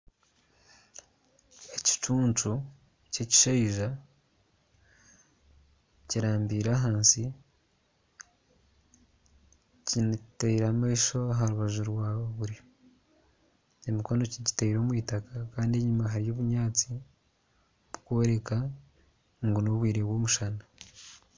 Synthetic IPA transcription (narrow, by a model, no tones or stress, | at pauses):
e̞ci̥t͡ʃuːnt͡ʃu | ceci̥ʃeiʒa | ciɾaːmbiːɾaɦaːnsi | ciniteiɾamaiʃo̞aɦaɾuβaʒuɾwaːβoβuɾi | emiko̞no̞ciɟiteiɾo̞ːmwiːtakakaːndie̞ɲumaɦaɾijo̞ːβuɲaːt͡si | βukwoɾe̞ka | ŋɡunoβwiːɾe̞βwo̞ːmuʃana